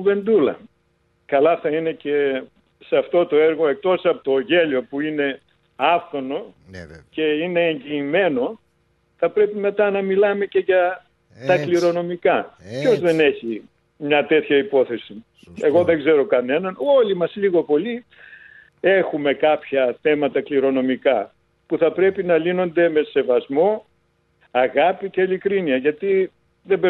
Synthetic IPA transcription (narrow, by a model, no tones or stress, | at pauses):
ve̞nd̪ulɐ̰ | kɐlɐθɐine̞ce̞ | sɐft̪o̞t̪o̞eɾɣo̞e̞k̚t̪o̞sɐpot̪oʝe̞lio̞puine̞ | ɐfθo̞no̞ | ce̞ine̞ːɲɟiːme̞no̞ | θɐpɾe̞pime̞t̪ɐnɐmilɐme̞ce̞ʝɐ | t̪ɐkliɾo̞no̞mikɐpço̞zðe̞ne̞çi | mɲɐt̪e̞t̪çɐipo̞θe̞si | e̞ɣo̞ðeŋɡze̞ɾo̞kɐne̞nɐno̞limɐsliɣo̞po̞li | e̞xume̞kɐpçɐθe̞mɐt̪ɐkliɾo̞no̞mikɐ | puθɐpɾe̞pinɐlino̞nd̪e̞me̞se̞vɐzmo̞ | ɐɣɐpice̞ilikɾiniɐʝɐt̪i | ðebe